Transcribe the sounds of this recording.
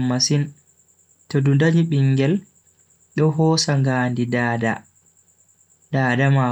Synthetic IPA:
mːasin | todundaɲiɓiŋɡɛl | ɗɔɦɔːsaŋɡaːndidaːda | daːdama

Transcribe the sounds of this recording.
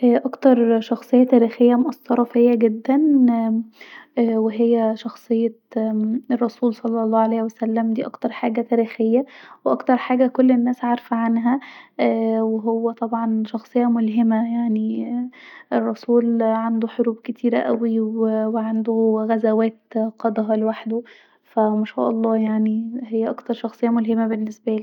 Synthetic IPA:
ʔæʔɑkt̪ɑɾˤʃɑxsˤejːɑt̪æːɾiːxejːæmoʔɑsːɑɾˤɑfejːæɡed̪ːæn | weɦejːæʃɑxsˤɨjːɑ | erˤːɑsuːlsˤɑlːɑlˤːɑːʕalæjhwæsælːæmd̪iːʔɑkt̪ɑɾˤħa̰ːɡæt̪æːɾiːxejːæweʔɑkt̪ɑɾˤħaːɡækolːenːæːsʕaɾˤfæʕanɦæ | weɦowːæt̪ˤɑbʕɑnʃɑxsˤɨjːɑmolɦemæjaʕni | erˤːɑsuːlʕand̪oħoɾuːbket̪ʰiːɾæʔæwiweweʕand̪oɣæzæwæːt̪qɑd̪ˤɑɦɑlewaħd̪o | fæmæʃæ̰ːʔɑlˤːɑːjaʕniɦejːæʔɑkt̪ɑɾˤʃɑxsˤɨjːɑmolɦemæbenːesbæʔliː

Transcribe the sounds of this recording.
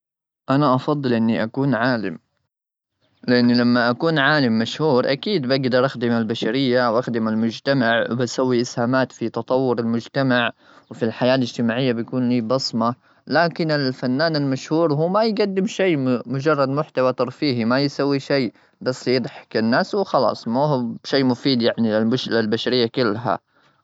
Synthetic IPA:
ʔanaʔɑfɑd̪ˤːɨlʔɪnːiʔakuːnʕaːlɪm | lɪʔanːlamːaʔakuːnʕaːlɪmːaʃhuːɾʔa̰kiːd̪baɡd̪ɑɾˤʔaxd̪ɪmalbaʃaɾɪjːawʔaxd̪ɪmalmʊd͡ʒt̪amaʕwbasawːiʔɪshaːmaːt̪fit̪ɑt̪ˤɑwːʊɾɪlmʊd͡ʒt̪amaʕ | wfilħajaːlɪd͡ʒt̪ɪmaːʕɪjːabjakuːnliːbɑsˤmɑ | laːkɪnɪlfanːaːnɪlmaʃhuːɾɦuːmajɡad̪ːɪmʃeːmmʊd͡ʒɑrˤːɑd̪mʊħt̪awat̪ˤɑɾˤfiːɦimajsawːiʃej | bɑsːjɪd̪ˤħkɪnːaːswxɑlɑ̰ːsˤmuhʃeːmʊfiːd̪jaʕnilɪlɪlbaʃaɾɪjːakɪlːɦa̰

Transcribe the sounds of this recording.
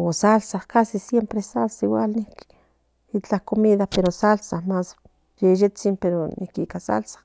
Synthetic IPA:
osalsaχkasisjempɾesalsiwalnihk | it͡ɬahkomiðapeɾosalsaχmas | jejet͡simpeɾonʔḭkikasa̰lsḁχ

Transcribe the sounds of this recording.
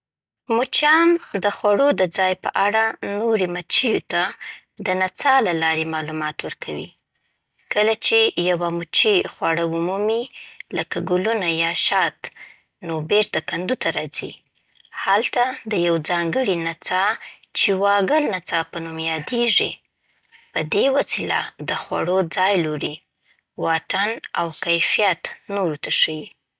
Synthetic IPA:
mut͡ʃɑnd̪əxwaɽod̪əd͡zɑjpə̰ʔaɽanoɾemat͡ʃijot̪a | d̪ənat͡sɑlalɑɾemɑlumɑt̪wəɾkʰawi | kəlat͡ʃejawamut͡ʃixwaɽaumumiləkaɡulunajɑʃɑt̪ | nobeɾt̪akand̪ut̪aɾɑd͡zi | halt̪ad̪əjawd͡zɑŋɡəɽinat͡sɑt͡ʃewɑɡəlnat͡sɑpənumjɑd̪eʐḭ | pəd̪ewasila̰d̪əxwa̰ɽod͡zɑjloɾi | wɑʈana̰wkajfijat̪noɾut̪aʂəwi

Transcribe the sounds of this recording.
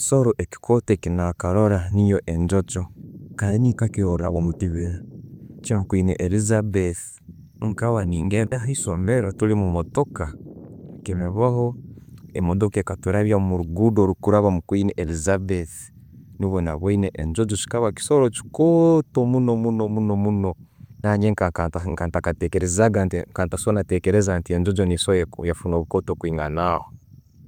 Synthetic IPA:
ki̥soɾoʔeki̥kʰotekinakaɾoɾanijoʔeɲd͡ʒot͡ʃokaninikakioɾa̰βomutiβeɾat͡ʃimakwinḛʔelizabeθ | ŋkaβaniːŋɡedaɦisomeɾotulimumotoka | kimeβahoemodokekatuɾaβjamuɾuɡudoɾukuɾaβamukwineʔelizabeθ | nuβona̰βwaineʔeɲd͡ʒod͡ʒot͡ʃi̥kaβaki̥soɾot͡ʃi̥kotomunomunomunomunonaɲeŋkakaŋkantakatekeɾezaɡantiŋkaːntasonatekeɾezantieɲd͡ʒod͡ʒonisojejafunoːβukotokwiːŋɡa̰naho

